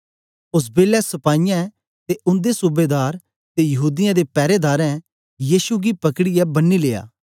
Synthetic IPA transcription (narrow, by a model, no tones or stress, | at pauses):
ʊs̬beːlɛsɐpaːɪjãɛ | t̪eʔʊ̃nd̪esubeːd̪aːɾ | t̪ejɐɦuːd̪ɪjãd̪epɛːɾed̪aːɾɛ̃ | jiːsuɡipɐkɽijɛbɐnːileːa̰ː